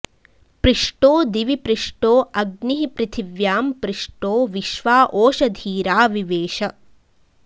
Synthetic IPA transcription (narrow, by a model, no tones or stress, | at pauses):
pɾiʂʈoːd̪iʋipɾiʂʈoːʔɐɡniɦipɾɪt̪ʰiʋjaːmpɾiʂʈoːʋiʃʋaːʔoːʃɐd̪ʱiːɾaːʋiʋeːʃɐ